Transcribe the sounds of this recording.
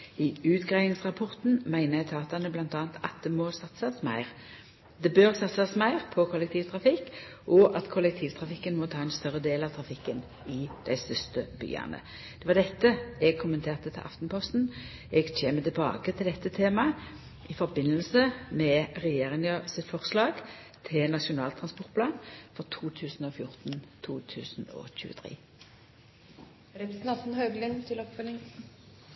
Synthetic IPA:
ɪʉːt̪ɡʁæɪɪŋsʁɑpʰɔʁt̪n̩mæɪnəjɛɡt̪ʰɑːt̪ɑnəblɑnt̪ɑːnt̪ʰɑ̰t̪̚d̪ɛmɔsɑt̪sɑsmæɪʁ | d̪ɛbøːʁsɑt̪sɑsmæɪʁpʰɔkʰɔlːɛkt̪ʰiːʋt̪ʰʁɑfɪkːʔɔʔɑt̪kʰɔlɛk̚t̪ʰiːʋt̪ʰɾɑfɪkːənmɔt̪ʰɑːɛnst̪œʁːəd̪eːlɑʋt̪ʰʁɑfɪkːən | ɪd̪̥æɪst̪ʏst̪əb̥y̰ːɑ̰nə̰ | d̪̥ɛʋɑʁd̪ɛt̪ːəɛɡ̚kʰʊmənt̪ʰeːʁt̪ət̪ʰɪlʔɑ̰ft̪npʰɔst̪n̩ | ɛɡc͡çʰeːmət̪ɪlbɑ̰ːkət̪ʰɪld̪ɛt̪ːət̪ʰeːmɑ | ʔɪfɔɾbɪnːəlsəmɛʁɛjeːʁɪŋəsɪt̪fɔʁslɑːɡ | t̪ʰɪlnɑʂʊnɑːlt̪ʰʁɑnspɔʁt̪pʰlɑːnfɔʁt̪ʰuːt̪ʰʉːsn̩ɔfjʊʁt̪n̩t̪ʰuːt̪ʰʉ̰ːsn̩ɔ̰çʉ̰ːə̰t̪ʰʁḛː | ɾɛpɾsnɑt̪n̩hɑːɡlɛnt̪ʰɪlɔpfœlɪŋ

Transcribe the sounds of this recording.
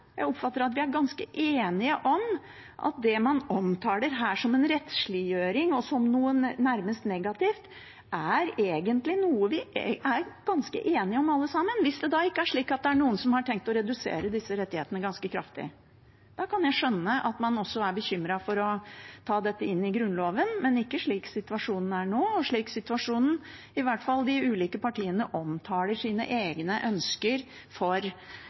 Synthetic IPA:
jæɪɔpfɑt̪ːəɾɑt̪ʋɪæɾɡɑnskəʔeːnɪəʔɔm | ʔɑ̰t̪̚d̪ɛmɑnɔmt̪ʰɑːd̪əɾɦæːʂɔmɛnɾɛt̪ʂɭɪjøːɾɪŋɔsɔmnuːənæɾməst̪nɛɡɑt̪ɪft̪ | ʔæɾeːɡənt̪lɪnuːəʋɪʔæɾɡ̥ɑnskə̰ʔeːnɪəɔmɑlːəsɑmːənʋɪsd̪ɛd̪ɑːɪkːəæʂɭiːkɑt̪̚d̪ɛæɳuːənsɔmhɑʈʰɛŋk̚t̪ɔɾɛd̪ʉsḛːɾəd̪ɪsːəɾɛt̪ːɪheːt̪ənəɡɑnskəkʰɾɑ̰ft̪ɪ̰ə | d̪̥ɑːkʰɑnjæɪʂœnːəʔɑt̪mɑnɔsːɔæɾbəçʏmɾɑfɔɾɔt̪ʰɑːd̪ɛt̪ːəɪnːɪɡɾʉnloːʋənmɛnɪkːəʂɭiːksɪt̪ʉɑʂuːnn̩æɳoːɔʂɭiːksɪt̪ʉʋɑʂuːnn̩ | ɪʋæʈfɑld̪ɪʉːliːkəpɑʈiːənəʔɔmt̪ʰɑːləʂiːnə̰ʔeːɡnəʔœnskəɾ | fɔɾ

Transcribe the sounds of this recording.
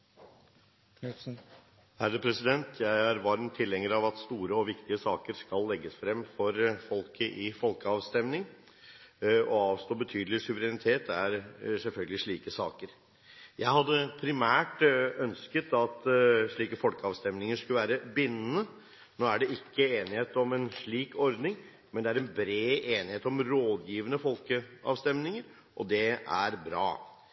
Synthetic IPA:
hæɾəd̪əpʰɾɛsɪd̪ɛnt̪ʰjæɪæɾʋɑɾmt̪ʰːɪlːɛŋəɾɑʋɑt̪st̪uːɾəɔʋɪkt̪ɪəsɑːkəɾskɑlːɛɡːəsfɾɛmːfɔɾfɔlkʰəʔɪfɔlkəɑʋst̪ɛmnɪŋ | ɔɑːʋst̪oːbət̪ʰyːd̪l̩ɪsʉʋəɾɛnɪt̪ʰeːt̪ʰæɾsɛlfœlɡəlɪʂɭiːkəsɑːkəɾ | jæɪhɑd̪ːəpʰɾɪmæːʈœnskət̪ɑt̪ʂɭiːkəfɔlkəɑːʋst̪ɛmnɪŋəʂkʉləʋæːɾəbɪnːənə | noːæɖɛɪkʰːəeːnɪheːt̪ɔmɛnʂɭiːkɔɾd̪nɪŋ | mɛnd̪ɛæɾɛnbɾeːʔeːnɪheːt̪ɔmɾoːd̪jiːʋənəfɔlkəɑ̰ʋst̪ɛmnɪŋəɾ | ʔɔd̪ɛʔæɾbɾɑ̰ː

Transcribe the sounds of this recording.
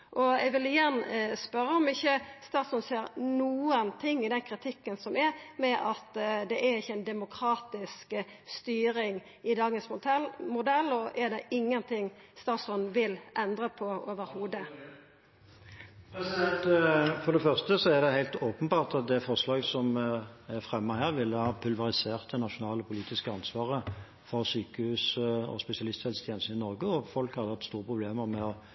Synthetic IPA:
ʔɔɛɡʋɪlɪjɛnːspœɾːəɔmɪçːəst̪ɑːt̪sɔnseːɾnuːənt̪ʰɪŋːɪd̪ɛnkʰɾɪt̪ʰɪkːənsɔmɛɾmɛʔɑt̪d̪ɛʔæɾɪçːəɛɪnd̪ɛmʊkʰɾɑːt̪ɪskəst̪yːɾɪŋ | ɪd̪ɑːɡənsmmʊd̪ɛlːɔʔɛɾd̪ɛʔɪŋːənt̪ʰɪŋst̪ɑːsɔnʋɪlʔɛnd̪ɾəpʰɔoːʋəɾhuːd̪ə | ɛsɛt̪fɔʁd̪ɛfœʁst̪əsɔæʁd̪ɛhæɪlt̪oːpənbɑːʁt̪ɑt̪̚d̪ɛfɔʁslɑːɡsɔmæʁfʁɛmːɑhæːʁʋɪlːəhɑːpʰʉlʋɑʁɪseːʁt̪ənɑʃʊnɑːləpʰʊliːt̪ɪskəɑnsʋɑːʁə | fɔʁsyːkəhʉːsɔ̰spɛsɪɑlɪst̪hɛlst̪ʰjɛnəsn̩ɪnɔʁɡəɔfɔlkhɑd̪əhɑt̪st̪uːʁəpʰʁʊbleːməʁmɛɔ

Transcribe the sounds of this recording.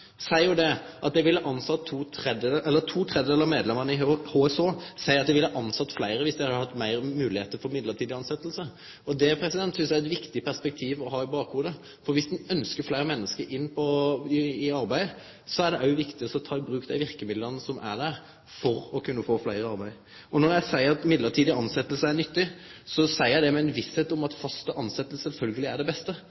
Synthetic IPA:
sæɪjʊd̪ɛʔɑt̪̚d̪æɪʋɪlːəʔɑnsɑt̪ʰːuːt̪ʰɾɛd̪ʔɛlːət̪ʰuːt̪ʰɾɛd̪əd̪eːlɑmeːd̪lɛməʁnəɪhoːɛsoːsæɪɾɑt̪d̪ɛʋɪlːɑʔɑnsɑt̪ːflæɪɾəʋɪsd̪æɪhɑd̪əhɑt̪ːmæɪʁmʉːlɪheːt̪əɾfɔɾmɪd̪ləɾt̪ʰiːd̪ɪɑnsɛt̪ːəlsə | ɔd̪ɛpʰɾɛsɪd̪ɛnt̪sʏnsjæɛt̪ʋɪkt̪ɪpʰæʁspɛk̚t̪ʰiːʋɔɦɑːɪbɑːkhuːd̪ə | fɔɾʋɪsd̪nœnskəflæɪɾəmɛnːəskəɾʔɪnːpʰɔɪɪɑɾbæɪə | sɔæɖɛʔɑʊʋɪkt̪ɪɔsɔt̪ʰɑːɪbɾʉːkd̪æɪʋɪɾkəmɪd̪lənəsɔmʔæ̰d̪æʁ | fɔɾɔkʰʉnːəfoːflæɪɾəɑɾbæɪ | ɔnɔɾjæɪsæɪəɾɑt̪mɪd̪ləɾt̪ʰiːd̪ɪɑnsɛt̪ːəlsəæɾnʏt̪ːɪsɔsæɪæɪd̪ɛmɛɛnʋɪsheːt̪ʊmɑt̪fɑst̪əʔɑnsɛt̪ːəl̩sɛlfœlɡəlɪæɖɛbɛst̪ə

